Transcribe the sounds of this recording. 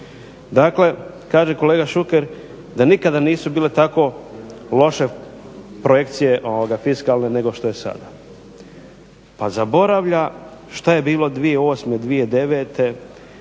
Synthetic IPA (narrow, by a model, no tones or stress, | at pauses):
d̪akle̞ | kaːʒe̞ko̞leːɡaʃukeɾ | d̪anikad̪aniːsubiːle̞t̪ako̞lo̞ʃe̞pɾoje̞kt̪sije̞ʔo̞ʋoɡafiskaːlne̞ne̞ɡo̞ʃt̪o̞jesa̰d̪a | pazabo̞ɾaʋʎa | ʃt̪aje̞biːlˠo̞d̪ʋieo̞ːsmed̪ʋie̞d̪e̞ʋe̞t̪e̞